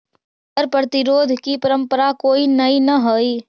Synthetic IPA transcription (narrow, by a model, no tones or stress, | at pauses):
əɾpɾət̪ɪɾoːd̪ʱkipɐɾə̃mpəɾakoːinɐinɐɦoːiː